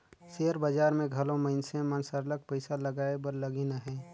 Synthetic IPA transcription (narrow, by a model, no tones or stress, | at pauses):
seɦəɾbəd͡ʒaːɾmẽɡʱɐlõməɪnsẽmənsəɾlək̚pəɪsalɐɡaːebəɾləɡinaɦɛː